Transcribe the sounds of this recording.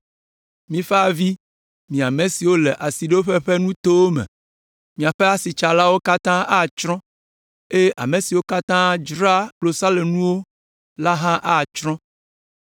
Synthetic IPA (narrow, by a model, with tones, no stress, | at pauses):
mĩ˦fa˨vi˦ | mĩ˨a˨mẽ˨si˨wo˦le˨ʔa˨si˨ɖe˦wo˦ɸe˦ɸe˦nũ˦t̪o˦wo˦mɛ̰̃˨ | mĩ˨a˨ɸɛ˦a˦si˨t͡ʃa˨la˦wo˦ka˦t̪ã˦a˦˨t͡ʃɾɔ̃˦ | e˦ʔa̰˨mẽ˨si˨wo˦ka˦t̪ã˦d͡ʒɾa˦k͡plo˨sa˦le˨nũ˦wo˦ | la˦ɦã˦ʔa˦˨t͡ʃɾɔ̃˦